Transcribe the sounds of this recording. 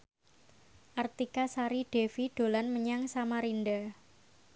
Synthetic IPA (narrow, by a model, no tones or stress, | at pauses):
ʔart̪ikasaɾiɖ̥efiɖ̥o̤lanməɲaŋsamaɾinda